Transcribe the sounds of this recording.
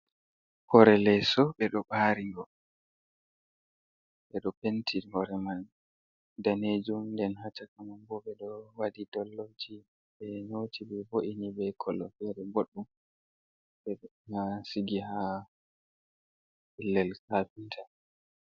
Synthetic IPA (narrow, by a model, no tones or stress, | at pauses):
hɔɾɛlɛsɔɓɛɗɔɓaɾiɡɔ | ɓɛɗɔpentʰihɔɾɛman | daned͡ʒumndɛnhat͡ʃakamanbɔɓɛɗɔwadidɔlːod͡ʒi | ɓɛnotʰibɛvoʔinibɛkʰɔlɔ̰fɛɗɛɡoɗːum | ɓɛmasiɡiha | hilːɛlkafintʰa